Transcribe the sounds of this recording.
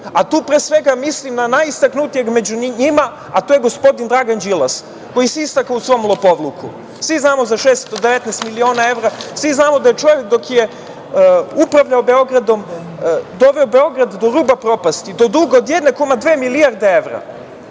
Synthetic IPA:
at̪uːpɾesʋeɡamislimnanajist̪aknut̪ijeɡme̞d͡ʑuniɲima | at̪oːjeɡo̞spo̞d̪ind̪ɾaɡand͡ʑilˠas | ko̞jiseist̪akausʋo̞jmlˠopo̞ʋlˠukṵ | sʋiznaːmo̞zaʃest̪d̪od̪eʋet̪nɛst̪milio̞ːnae̞vɾasʋiznaːmod̪ajet͡ʃo̞ʋek̚d̪o̞kje | upɾaʋʎaobe̞o̞ɡɾad̪o̞m | d̪o̞ʋeobe̞o̞ɡɾad̪d̪o̞ɾuːbapɾo̞past̪id̪o̞d̪uɡaod̪jed̪nekomad̪ʋeːmilijaɾd̪eeʋɾa̰

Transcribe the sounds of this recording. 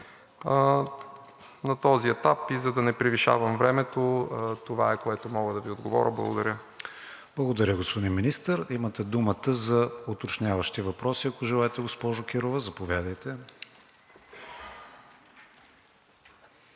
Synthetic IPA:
nɐt̪ɔziɛt̪apizɐd̪ɐnɛpɾiviʃa̰vəmvɾɛmɛt̪ot̪ova̰ɛkoɛt̪omɔɡəd̪ɐviod̪ɡovɔ̰ɾʲʔəblˠɐ̰ɡod̪ɐɾʲə | b̥lˠəɡod̪ɐɾʲəɡospod̪inminist̪əɾimət̪ɛd̪umət̪əzɐot̪ot͡ʃnʲavəʃt̪ivɐpɾɔsiɐkoʒɛlˠaɛt̪ɛɡospɔʒokʲiɾovəzɐpovʲjad̪əjt̪ɛ

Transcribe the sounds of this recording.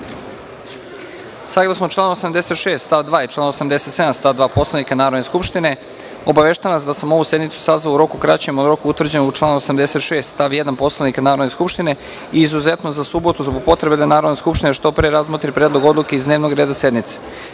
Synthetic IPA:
saɡlˠasnot͡ʃlaːnosamd̪e̞set̪ʃe̞ːst̪st̪aʋd̪ʋaːit͡ʃlˠaːnosamd̪e̞se̞t̪se̞d̪amst̪aʋd̪ʋaːpo̞slˠanikanaːɾo̞d̪neskupʃt̪ine̞ | o̞baʋeʃt̪aanasd̪asamo̞ʋuse̞d̪nit̪su̥sazʋauɾo̞kukɾat͡ɕemoɾo̞kuut̪ʋrd͡ʑe̞nout͡ʃlˠaːnuosamd̪ese̞t̪ʃe̞ːst̪st̪aʋjed̪anpo̞slˠanikanaːɾo̞d̪ne̞skupʃt̪ine̞ | iːzuze̞t̪nozasubo̞t̪uzboɡ̚po̞t̪ɾe̞bed̪anaːɾo̞d̪neskupʃt̪ineʃt̪o̞pɾeɾazmot̪ɾipɾeːd̪lˠo̞ɡo̞d̪lˠukeizd̪ne̞ːʋnoɡɾe̞ːd̪ase̞d̪nit̪se̥

